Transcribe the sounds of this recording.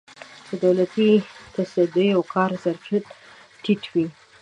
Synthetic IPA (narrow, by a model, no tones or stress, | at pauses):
d̪əd̪awlat̪it̪asad̪əjawkʰɑɾzaɾfit̪ | ʈiʈwi